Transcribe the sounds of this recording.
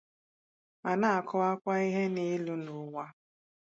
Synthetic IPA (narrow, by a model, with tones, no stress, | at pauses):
ma˨na˦˨kʰʊ˦a˦kʷa˦i˦ɦe˦ne˦lu˦nʊ˨˦ŋʷa˦